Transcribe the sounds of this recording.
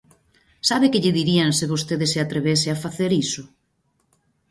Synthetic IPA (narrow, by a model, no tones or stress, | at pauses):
saβɪkɪʎɪðiɾiaŋseβost̪eðɪsɪat̪ɾeβesɪafaθeɾisʊ